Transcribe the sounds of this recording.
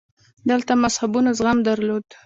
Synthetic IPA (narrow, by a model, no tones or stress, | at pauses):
d̪əlt̪amashabunazɣamd̪aɾlod̪